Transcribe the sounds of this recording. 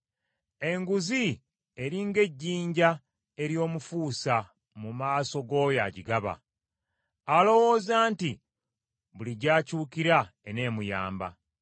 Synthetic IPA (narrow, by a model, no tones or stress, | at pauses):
e̞ŋɡuzi | e̞ɾiŋɡe̞ɟːiːɲɟa | e̞ɾjo̞ːmufuːsa | mumaːso̞ɡo̞ːjaɟiɡaβa̰ | alo̞wo̞ːzaːnti | βuliɟaːcuːkiɾaene̞ːmuja̰ːmba̰